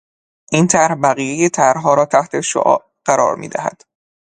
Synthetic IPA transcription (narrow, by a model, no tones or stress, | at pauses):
ʔiːnt̪ʰæɾhbæɣiːjejet̪ʰæɾhɦɒːɾɒːt̪ʰæht̪ʰe̞ʃo̰ʔɒ̰ː | ɢ̥æɾɒːɾmḭːd̪æ̰hæ̰d̪̥